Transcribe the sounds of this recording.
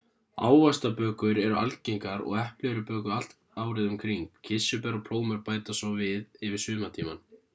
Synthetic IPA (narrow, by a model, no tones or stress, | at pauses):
a̰ːwvast̪apœːkʏɾɛɾʏʔa̰lcejŋkaɾɔ̰ɣɛhplɛɾʏpœːkʏal̥t̪ | aːwɾɪðʏmkʰɾiŋkcʰɪsːʏpɛɾɔpʰl̥oːwmʏɾpaːjt̪asɔwvɪðɪvɪɾ̥sʏːðmat̪ʰiːma̰n